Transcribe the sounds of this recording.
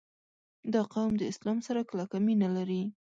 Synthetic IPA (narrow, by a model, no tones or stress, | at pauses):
d̪ɑqawmd̪əɪslɑmsaɾaklakaminalaɾi